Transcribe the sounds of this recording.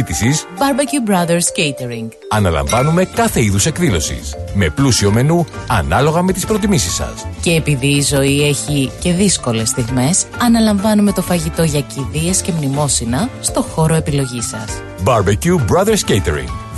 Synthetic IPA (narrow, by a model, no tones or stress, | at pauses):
t̪isisbɐɾbɐcubɾɐðeɾscejt̪eɾiŋɡ | ɐnɐ̰lɐ̰̃ɱvɐnume̞kɐθe̞iðuse̞kðilo̞sḭsme̞plusio̞me̞nuɐnɐlo̞ɣɐme̞t̪ispɾo̞t̪imisisɐ̰sce̞ːpiðiːzo̞ie̞çice̞ðisko̞le̞sθiɣme̞sɐnɐlɐɱvɐnume̞t̪o̞fɐʝit̪o̞ʝɐciðie̞sce̞mnimo̞sinɐst̪o̞xo̞ɾo̞e̞pilo̞ʝisɐ̰s | bɐɾbɐcubɾɐðeɾscejt̪ḛɾḭŋɡ